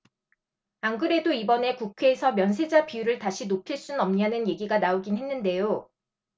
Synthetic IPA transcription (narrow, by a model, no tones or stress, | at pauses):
aŋɡɯɾe̞doibʌne̞kukʰe̞ːsʰʌmjʌnsʰe̞d͡ʑapijuɾɯɭtaɕʰinopʰiɭs͈unnʌmɲanɯnje̞ɡiɡanaoɡinɦe̞nːɯnde̞jo